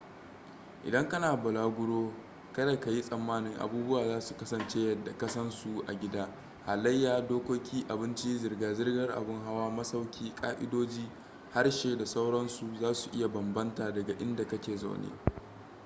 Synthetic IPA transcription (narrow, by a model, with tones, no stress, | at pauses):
ʔɪ̰˨dɐ˦ŋkɐ˦naː˨bʊ˨laː˦ɡʷʊ˦ɽoː˦ | kɐ˦da˨ka˨ji˦sʼɐ˨mːaː˦nɪ˦ŋʔa̰˨buː˦bʊ˦waː˨zaː˦su̥˨kɐ˦sɐ˨nt͡ʃeː˦jɐ˦dːa˨kɐ˦sɐ˦nsu˨ʔa̰˨ɡʲɪ˦daː˦ | ha˨lɐ˦jːaː˨doː˦kʷoː˦kʲiː˦ʔa˨bɪ˦nt͡ʃi˦zɪ˨rɡaː˨zɪ˦rɡɐ˦rʔa̰˨bɪ˦ŋɦa˦waː˦mɐ˦sa˦wkʲʰiː˦kʼa̰ː˦ʔɪ̰˦doː˦d͡ʒiː˦ | ha˦rʃeː˨da˨sa˦wɽɐ˦nsu˨zaː˦su˨ʔɪ˦ja˨bɐ˨mbɐ˦ntaː˨dɐ˨ɡa˨ʔɪ˦nda˨kɐ˦kʲeː˨za̰˦˨wnḛː˦